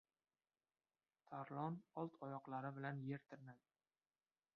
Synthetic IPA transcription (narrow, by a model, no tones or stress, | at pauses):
t̪ʰaɾlˠɒnɒlˠt̪ʰɒjɒqlˠaɾɪbɪlanjeɾt̪ʰɪɾɪnad̪